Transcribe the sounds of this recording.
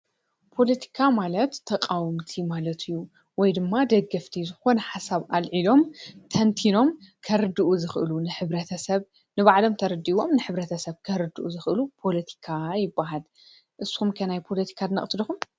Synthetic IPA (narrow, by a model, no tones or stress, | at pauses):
pʰo̞lɐt̪ʰi̥kʰamalɐt̪ʰːɐkʼawɨmt̪ʰimalɐt̪ʰɨjːu | wɔjd̪ɨmːad̪ɐɡɐft̪ʰizɨxo̞nɐħasaβʔalʕilo̞mt̪ʰɐnt̪ʰino̞mkʰɐɾɨd̪ɨʔuzɨxʔɨ̰lunɨħɨβɾɐt̪ʰɐsɐβ | nɨβaʕlo̞mt̪ʰɐɾɨd̪iβo̞mnɨħɨβɾɐt̪ʰɐsɐβkʰɐɾɨd̪ɨʔuzɨxʔɨlupʰo̞lɐt̪ʰi̥kʰajɪbːaɦal | ʔɨsxumkʰɐnajpʰo̞lɐt̪ʰi̥kʰad̪ɨnɐ̰χʼt̪ʰɨlixum